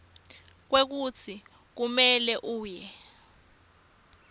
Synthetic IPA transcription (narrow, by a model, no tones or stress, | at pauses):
k̬wek̬ut͡sʰi | k̬umɛlɛʔuːjɛ